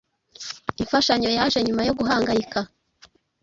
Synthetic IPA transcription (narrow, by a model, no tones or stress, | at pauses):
iɱfaʃaɲo̞jaʒe̞ɲumajo̞ɡuɦaːŋɡaika